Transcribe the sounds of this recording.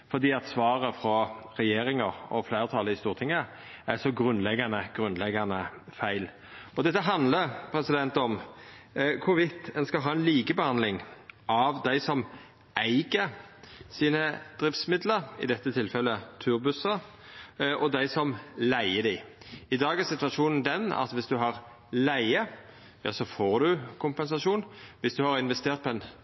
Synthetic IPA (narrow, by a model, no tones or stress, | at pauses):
fɔd̪iːɑt̪sʋɑːʁəfɾɔʁɛjeːɾɪŋəɔflæɪʁt̪ʰɑləɪst̪uːʁt̪ʰɪŋːə | æsɔɡʁʉnlɛɡːɑnəɡ̥ɾʉnlɛɡːɑnəfæɪl | ɔd̪ɛt̪ːəɦɑnd̪ləpʰɾɛsɪd̪ɛnt̪ɔm | kʰʊɾʋɪt̪ːɛnskɑlɦɑːɛnliːkəbəhɑnd̪lɪŋʔɑʋd̪æɪsɔm | ʔæɪɡəsiːnəd̪̥ɾɪft̪smɪd̪ləɾɪ̰d̪ɛt̪ːət̪ʰɪlfɛlːət̪ʰʉːɾbʉsə | ʔɔd̪æɪsɔmlæɪəd̪æɪ | ɪd̪ɑːɡæɾsɪt̪ʋɑʃuːnn̩d̪ɛnɑ̰t̪ʋɪsd̪ʉɦɑʁ | læɪə | jɑ̰ːsɔfoːʁd̪ʉkʰʊmpɛns̬ɑʂuːnʋɪsd̪ʉhɑɾɪnʋɛst̪eːʁt̪̚pʰɔɛn